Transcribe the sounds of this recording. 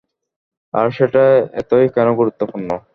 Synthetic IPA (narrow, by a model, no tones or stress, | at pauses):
aɾʃeʈaɛ̰t̪ojkɛnoɡuɾut̪ːopunːo